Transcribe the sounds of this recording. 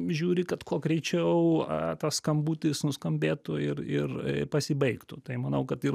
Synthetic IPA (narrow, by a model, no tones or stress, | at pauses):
ʒʲuːɾʲɪkɐt̪koːɡɾʲɛɪt͡ʃʲɛʊɐt̪ɐsskɐmbuːt̪ʲɪsnʊskɐmʲbʲeːt̪ʊɪrɪrpɐsʲɪbɐɪkt̪ʊt̪ɐɪmɐnɐʊkɐt̪ɪ